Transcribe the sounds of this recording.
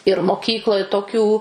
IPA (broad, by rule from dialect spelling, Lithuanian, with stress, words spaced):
ɪr moːˈkʲiːklˠoːj toːˈkʲuː